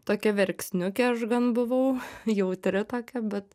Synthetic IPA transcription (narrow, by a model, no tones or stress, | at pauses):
t̪oːkʲɛʋʲɛɾʲksʲnʲʊkʲɛɐʃɡɐnbʊʋɐʊjɛʊt̪ʲɾʲɪt̪oːkʲɛbʲɛt̪